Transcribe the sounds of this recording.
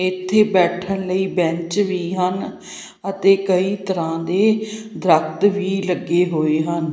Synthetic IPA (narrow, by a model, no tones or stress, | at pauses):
ɪt̪ʰːeːbɛːʈʰəɳləiːbɛ̃ɲt͡ʃʋiːɦən | ət̪eːkəiːt̪əɾãːd̪eːd̪ɾək̚t̪ʋiːləɡːeːɦoːeːɦən